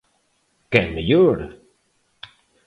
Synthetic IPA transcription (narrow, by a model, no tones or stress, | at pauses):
kɛnməjøːɾə